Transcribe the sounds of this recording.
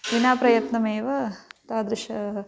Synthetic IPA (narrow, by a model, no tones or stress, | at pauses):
ʋinaːpɾɐjɐt̪nɐmeːʋɐt̪aːd̪ɾiʃɐ